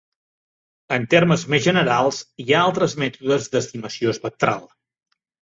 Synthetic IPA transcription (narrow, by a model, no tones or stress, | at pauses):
ənt̪erməzmezʒənəɾalˠsiaalˠt̪ɾəzmɛt̪uðəzd̪əst̪iməsioəspək̚t̪ɾa̰lˠ